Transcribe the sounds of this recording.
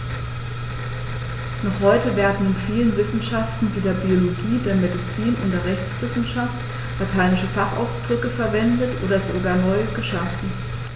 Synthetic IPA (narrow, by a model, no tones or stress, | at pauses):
nɔχhɔʏtəveːɐdn̩ɪnfiːlənvɪsn̩ʃaftn̩viːdeːɐbioloɡiːdeːɐmedit͡siːnʔʊ̰ntd̥eːɐʁɛçt͡sv̥ɪsn̩ʃaft | latʰaɪnɪʃəfaχa̰ʊsd̥ʁʏkəfɛɐvɛndətʔo̰ːdɐzoɡaːɐnɔʏəɡəʃaːfn̩